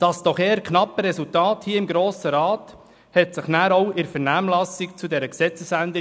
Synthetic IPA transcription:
d̥ɑsd̥ɔχeːəkʰnɑpːəɾɛsultɑːthiːəɪmɡɾoːsəɾɑːt | hɛtsɪχnæːɾɔwʔɪɾfɛɾnæːmlɑsikt͡sudɛɾəksɛt͡səsændə

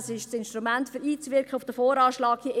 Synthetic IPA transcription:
sɪʃsɪnʃtɾumæntfyɾiːt͡sʋɪɾkχəʊfd̥əfoːɾɑːʃlɑːɡ̥hiʔ

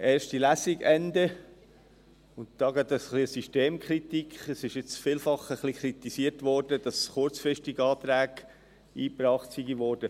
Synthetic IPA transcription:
ɛːɾʃtilæsiɡɛndə | ʊntd̥ɑːɡɑt̪əsχliəsyʃteːmkχɾit̪ikχɛsɪʃɪt͡sfiːlfɑχəχlikʰɾit̪isiːəɾtʋɔrd̥əd̥ɑsχʊɾt͡sfɾɪʃtiɡɑːtɾæːɡ̥ | iːpɾɑːχtsiɡiʋɔːrd̥ə

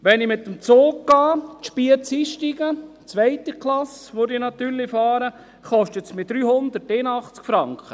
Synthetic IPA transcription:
ʋɛnɪmɪt̪ːəmt͡soːɡ̚ɡ̥ɑːtʃpiət͡siːʃtiɡə | t͡sʋɛɪt̪əklɑsʋodinɑt̪yːɾlɪfɑːɾə | χɔʃtətsmɪd̪̥ɾyːhʊnd̪əteːnɑχt͡skfɾɑŋkʰχə

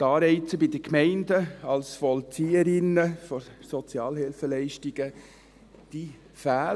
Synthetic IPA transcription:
t̪ɑːɾɛɪt͡səbɪdəkmɛɪndəɑlsfɔlt͡siːəɾɪnəfɔɾsɔt͡sjɑːlhɪlfəlɛɪʃtiɡ̥ə | d̥i | fæː

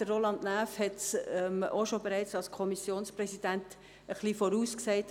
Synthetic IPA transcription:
ərolɑndnæːfhɛtsɛmoʃobəɾæɪt͡sɑlskʰɔmisjoːnsprɛsid̥ænt | əχlifoɾuːskseɪt

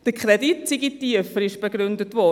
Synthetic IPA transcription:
d̥əkʰχɾɛditsiɡitiəfəɾɪʃb̥eɡɾʏndətʋɔ

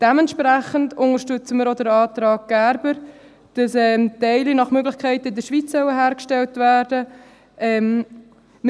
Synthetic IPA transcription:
d̥ɛmɛntʃpɾæχəntʊŋəɾʃtʏt͡səməɾodəɾɑːt̪ɾɑːɡ̚ɡ̥æːɾbəɾ | d̥ɑsɛːmtɛɪlinɑχmøɡlɪχkʰɛɪtɪdəʃʋit͡sːœwəɦæːɾkʃtɛltvæːɾd̥ə | ʔɛm | m

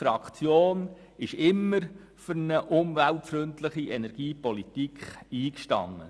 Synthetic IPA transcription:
fɾɑkχt͡sjoːn | ɪʃɪmːəɾ | fʏɾnəʔʊmvæltfɾʏntləχiʔɛnɛɾɡ̥iːpɔlitikχiːkʃtɑ̰ŋːə̰

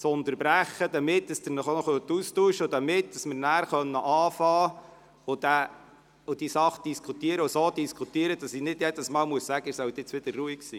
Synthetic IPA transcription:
t͡sʊnt̪əɾbɾæχːəd̪ɑmɪtd̥ɑsd̪ənɔχonɔχøt̪ustuːʃəod̪ɑmɪt̚d̥ɑsmɪɾnæːɾχœnːəʔɑːfɑː | ʊd̪̥æ | ʊd̥isɑχəd̥iskʰut̪iəɾəʊsod̪iskʰut̪iəɾəd̥ɑsinɪdjɛd̪əsmɑːlmuəssæɡəɪsœwt̪ɪt͡sʋɪd̥̪ərruiksiː

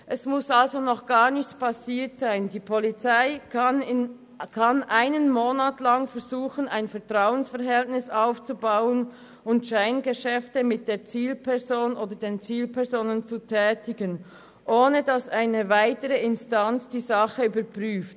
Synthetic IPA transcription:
ʔɛsmʊsalzonɔχɡ̥aːʁnɪçt͡spʰasiːɐtz̥aɪndiːpʰɔlit͡saɪɪ | kʰanʔaɪnənmoːnaːtlaŋfɛɐzuːxən̩aɪnfɛɐtʁ̥aʊənsfɛɐʁɦɛltnɪsaʊft͡subaʊən | ʊntʃaɪnɡəʃɛftəmɪt̚d̥eːɐt͡siːlpʰɛʁzoːnoːdəɐdeːnt͡siːlpʰɛɐzoːnənt͡sutʰɛːtɪɡən | ʔoːnədasaɪnəvaɪtəʁəɪnstant͡sd̥iːzɑχəyːbɐɾpʁ̥yːft

